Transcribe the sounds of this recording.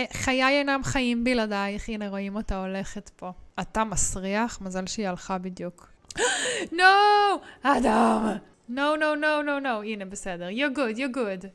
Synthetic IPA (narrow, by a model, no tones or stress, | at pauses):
χajajenamχaimbiladajχineʁoimotaole̞χetpo̞atamasʁiaχmazalʃeialχabid̪juk | no | adam | nownownownownowinebesedeʁjoɡudjoɡud